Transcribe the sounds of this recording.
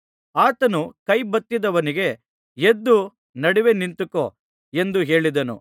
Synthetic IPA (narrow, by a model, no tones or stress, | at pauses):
aːt̪ɐnukɐjbɐt̪ːid̪ɐʋɐniɡe | ed̪ːu | nɐɽiʋe̞nint̪uko | e̞nd̪uɦe̞ːɭid̪ɐnṵ